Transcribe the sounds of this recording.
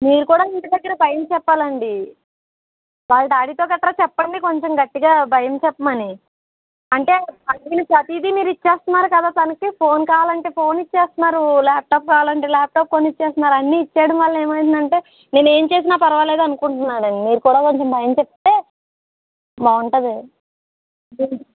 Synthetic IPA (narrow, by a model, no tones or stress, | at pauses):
miːɾukuːɽaːiɳʈid̪ɐɡːɐɾɐbʱɐjɐmt͡ʃɛpːaːlɐɳɖi | ʋaːlɐʈaːɽit̪o̞ːkɐt̪ɾɐt͡ʃɛpːɐɳɖiko̞ɲt͡ʃɐmɡɐʈːiɡaːbʱɐjɐmt͡ʃɛpːɐmɐni | ɐɳʈe̞ːɐŋkinɐpɾɐt̪id̪imiːɾuit͡ʃːeːst̪unːaːɾukɐd̪aːt̪ɐnɐkipʰo̞ːnkaːʋaːlɐɳʈe̞ːpʰo̞ːnit͡ʃːeːst̪unːaːɾulaːp̚ʈaːp̚kaːʋaːlɐɳʈe̞ːlaːp̚ʈaːp̚konːit͡ʃːeːst̪unːaːɾuɐnːiːt͡ʃːaːɽɐmʋaːɭːɐeːmɐj̪ind̪ɐɳʈe̞ː | ne̞ːne̞ːmt͡ʃe̞ːs̬inaːpɐɾɐʋale̞ːd̪ɐnukuɳʈunːaːɾɐnimiːɾukuːɽaːko̞ɲt͡ʃembʱɐjɐmt͡ʃɛpːt̪e̞ː | baːuɳʈɐd̪e